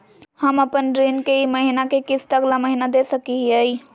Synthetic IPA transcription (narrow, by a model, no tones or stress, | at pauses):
hɐmɐpənɾiːnkeimɐɦinakekɪsʈɐɡlamɐɦinad̪eːsɐkiɦiaːiː